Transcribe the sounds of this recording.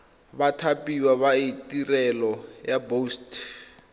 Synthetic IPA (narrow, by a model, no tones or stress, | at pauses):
βatʰapʼiwaβaitʼirɛlɔjabost